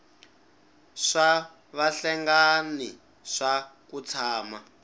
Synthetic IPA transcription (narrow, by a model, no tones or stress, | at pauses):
ʂa | βaɬɛŋɡani | ʂakut͡sʰaːma